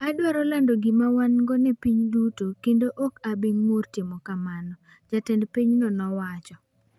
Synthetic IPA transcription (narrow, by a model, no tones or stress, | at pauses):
adwaɾɔlandoɡɪmawanŋɡɔnɛpiɲdutokendoʔokabiŋmortɪmɔkamanɔ | d͡ʒatɛndpiɲnɔnɔwat͡ʃɔ